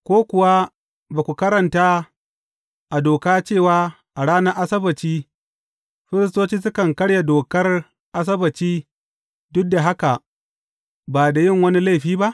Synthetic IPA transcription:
kʷoː˦kʷʊ˨wa˦ | baː˨kʷu˨kɐ˦ɾɐ˨ntaː˦ | ʔa˨doː˨kaː˦t͡ʃeː˦˨waː˦ | ʔa˨ɽaː˦nɐ˦rʔa˦sɐ˦bɐ˨tiː˦ | ɸɪ˦ɾɪ˦s̬toː˦t͡ʃiː˦sʊ˦kɐ˨ŋkɐ˦ɽja˨doː˨kɐ˦r | ʔa˦s̬ɐ˦bɐ˨tiː˦ | dʊ˦k̚da˨ɦa˦ka˨ | baː˨da˨jɪ˦˨ŋwɐ˦ni˦la˦˨ɸiː˦ba˦ʔ

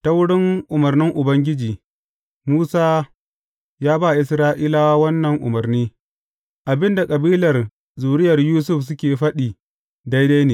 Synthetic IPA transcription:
ta˦wʊ˦ɽɪ˦ŋʔʊ˨mɐ˨rnɪ˦ŋʔʊ˨bɐ˦ŋɡʲɪ˦d͡ʒiː˨ | muː˦saː˦ | jaː˦ba˦˨ʔɪ˨sɾaː˦ʔiː˦la˦waː˦wɐ˦nːɐ˨ŋʔʊ̰˨mɐ˨rniː˦ | ʔa˨bɪ˦nda˨kʼɐ˨biː˦lɐ˨r | zuː˨ɽɪ˦jɐ˨rjuː˦sʊ˦˨fs̬ʊ˦kʲeː˨ɸɐ˦ɗiː˨ | da˦jda˦jneː˨

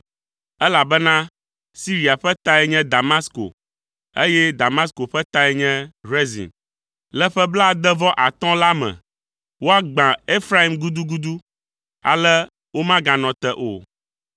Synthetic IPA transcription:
ɛ˦la˨bɛ˦nã˦ | si˦ɾi˨a˨ɸɛ˦t̪a˦ɛ˦ɲɛ̃˦d̪a˨ma˦sko̰˨ | e˦jɛ˦d̪a˨ma˦sko˨ɸɛ˦t̪a˦ɛ˦ɲɛ̃˦ɾe˦zḭ̃˨n | lɛ˦ɸɛ˦bla˦˨d̪ɛ˦vɔ˦ʔa˨t̪ɔ̃˦la˦mɛ̰̃˨ | wo˦a˦ɡ͡bã˨e˦fɾa˦i˨mɡu˦d̪u˦ɡu˦d̪u˦ | a̰˨lɛ˦ | wo˦mã˦ɡã˨nɔ̃˨t̪ɛ˦ʔo̰˨

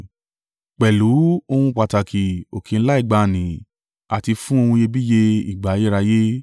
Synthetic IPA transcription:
k͡pɛ˨lu˨˦o˧hũ˧k͡pa˨ta˨kʰi˨o˨kʰi˨n̩˦la˦i˦˨ɡ͡ba˧˨nĩ˨ | a˨ti˧fũ˦o˧hũ˧je˧bi˦je˧ḭ˨ɡ͡ba˨˦je˦ɾa˧je˦

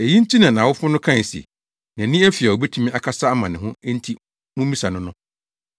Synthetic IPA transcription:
æ˨ji˦n̩˦tʰi˦nã˨nã˨wʊ˦fʊ̃˦nʊ̃˦kʰã˦˨n˨sḭ˨ | nã˨nĩ˦æ˦fi˨a˨o˨bɛ˦tʰũ˦mĩ˦a˨kʰa˦sa˦a˦mã˨nɪ̃˨ɦʊ̃˦n̩˦tʰi˦ | mũ˦mĩ˦sa˨nʊ̃˦nʊ̃˦

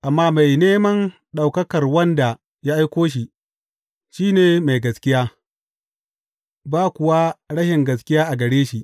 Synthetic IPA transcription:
ʔa˨mːaː˦ma˨jneː˦mɐ˦n | ɗa˨wkɐ˦kɐ˨rwɐ˦nda˨ | ja˦ʔa˦jkʷoː˦ʃ̬i˨ | ʃiː˦neː˨ma˨jɡɐ˨skʲɪ˦jaː˦ | baː˦kʷʊ˨wa˦ɽɐ˦ʃɪ˨ŋɡɐ˨s̬kʲɪ˦jaː˦ʔa˨ɡɐ˨ɽeː˦ʃi˨

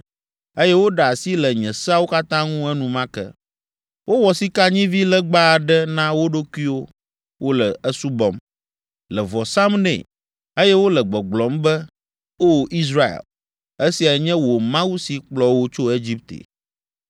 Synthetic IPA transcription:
e˦jɛ˦wo˦ɖa˨a˨si˦lɛ˨ɲɛ̃˨sa˦wo˦ka˦t̪ã˦ŋũ˦ɛ˦nũ˨mã˦kɛ̰˦ | wʔo˦wɔ˨si˦ka˦ɲĩ˦vi˦lɛ˦ɡ͡ba˦˨ɖɛ˦nã˦wo˦ɖo˦ku˦i˦wo˦ | wʔo˦lɛ˨ə˦su˦bɔ˨m | lɛ˨vɔ˨sã˦mnɛ̰̃˨ | e˦jɛ˦wo˦lɛ˨ɡ͡bɔ˨ɡ͡blɔ˨˦mbɛ˦ | o˦˨i˦s̬ɾa˦ḛ˨l | e˦si˨a˨ɲɛ̃˦wo˨mã˦wu˦si˨k͡plɔ˨wo˦t͡ʃo˦e˦d͡ʑi˦p̚t̪ḛ˨

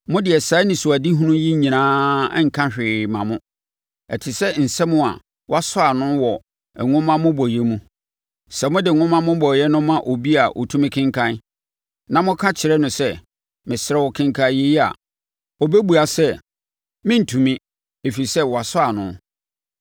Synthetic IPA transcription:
mʊ̃˦dɪ˨ɛ˨sa˨˦nɪ̃˨su˨a˨di˦ɦũ˦nũ˦ji˦ɲĩ˨nãː˦ŋ̩˨kʰã˦ɕᶣɪ˨mã˨mʊ̃˦ | ɛ˨tʰɪ˨sɛ˦n̩˨sɛ˦mʊ̃˦a̰˨ | wɔ˦a˦sʊ˦a˨nʊ̃˦wɔ˨ | ɛ˨ŋʊ̃˦mã˦mʊ̃˦bɔ˨jɛ˦mũ˦ | sɛ˨mʊ̃˦dɪ˨ŋʊ̃˦mã˦mʊ̃˦bɔ˨jɛ˦nʊ̃˦mã˦ʔo˨bi˦a˨ʔo̰˨tʰũ˦mɪ̃˦kʰɪ̃˦ŋkʰã˦n˦ | nã˨mʊ̃˦kʰã˦t͡ɕʰɪ˨ɾɛ˦nʊ̃˨sɛ˦ | mɪ̃˨sɪ˦ɾɛ˦wɔ˨kʰɪ̃˦ŋkʰa˨je˦ji˦a̰˨ | ɔ˨be˦bu˨a˨sɛ˦ | mɪ̃˦n̩˨tʰũ˨mĩ˦ | e˨fi˨ɾi˨sɛ˦wɔ˨a˨sʊ˦a˨nʊ̰̃˨˦

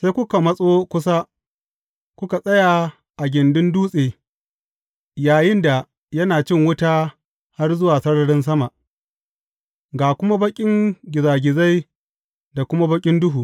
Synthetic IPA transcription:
sa˦kʷʊ˦ka˨mɐ˦sʼoː˦kʷʊ˦sa˦ | kʷʊ˦ka˨sʼɐ˦ja˨ | ʔa˨ɡʲɪ˨ndɪ˦nduː˦sʼeː˨ | jaː˨jɪ˦nda˨ | jɐ˦naː˨t͡ʃɪ˦ŋwʊ˦ta˦ | ha˦rzʊ˦waː˨sɐ˦ɽɐ˨ɽɪ˦ns̬ɐ˦ma˨ʔ | ɡaː˨kʷʊ˦ma˦bɐ˦kʲʼɪ˦ŋɡʲɪ˨zaː˨ɡʲɪ˨za˦j | da˨kʷʊ˦ma˦bɐ˦kʲʼɪ˦ndʊ˦ɦuː˨

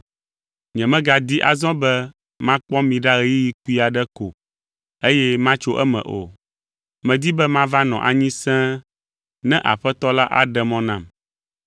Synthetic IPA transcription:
ɲɛ̃˨mɛ̃˦ɡa˨d̪i˦ʔa̰˨zɔ̃˦bɛ˦ | mã˦k͡pɔ̃˦mĩ˨ɖa˦ɣɛ˨ji˦ji˦ku˦i˦a˨ɖɛ˦ko̰˨ | e˦jɛ˦mã˦t͡ʃo˦ʔɛ˦mɛ̰̃˨ʔo̰˨ | mɛ̃˨d̪i˦bɛ˦mã˦va˦nɔ̃˨ʔa˨ɲĩ˦sɛ̃˦ | nɛ̃˦ʔa̰˨ɸɛ˦t̪ɔ˦la˦ʔa̰˨ɖɛ˨mɔ̃˦nã˨m

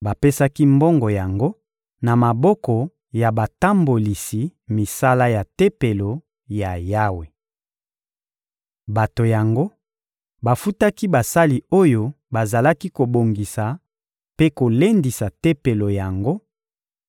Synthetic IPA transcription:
ba˨pe˦sa˦ki˦mbɔ˦ŋɡɔ˨ja˨ŋɡo˦ | na˨ma˨bɔ˦kɔ˨ | ja˨ba˨ta˦mbo˨li˨si˨mi˨sa˦la˦ja˨te˦pe˨lo˨ | ja˨ja˦we˨ | ba˨to˨ja˨ŋɡo˦ | ba˨fu˦ta˦ki˦ba˨sa˦li˨o˦jo˦ | ba˨za˨la˦ki˦ko˨bo˨ŋɡi˨sa˨ | pe˦ko˨le˦ndi˨sa˨te˦pe˨lo˨ja˨ŋɡo˦

